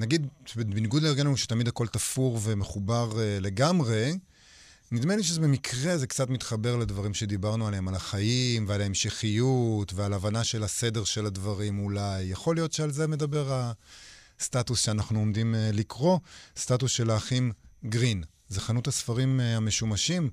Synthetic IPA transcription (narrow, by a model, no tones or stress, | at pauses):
naɡid̪bbiniɡud̪leːʁɡenauʃe̥tamid̪hako̞ltafuʁve̞meχubaʁle̞ɡamʁe̞ | nid̪meliʃ̬ezebemikʁe̞zekt͡satmit̪χabe̞ʁaladvaʁimʃe̞d̪ibaʁnualeemalaχajimvealaemʃeχijutvealavanaʃe̞lase̞de̞ʁʃe̞ladvaʁimulajːaχo̞lijo̞tʃealzeme̞d̪abe̞ʁal | statusʃeanaχnuomd̪imlikʁo̞statusʃe̞laːχimɡʁin | zeχanuthasfaʁimame̞ʃumaʃim